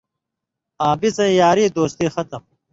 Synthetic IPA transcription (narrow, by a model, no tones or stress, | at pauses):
aːbizɐ̃ĩjaːɾiːd̪oːst̪iːxɐt̪ɐm